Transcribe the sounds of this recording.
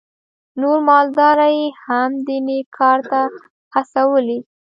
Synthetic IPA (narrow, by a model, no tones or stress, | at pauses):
noɾmɑld̪ɑɾajehamd̪inekʰɑɾt̪a | xasawəli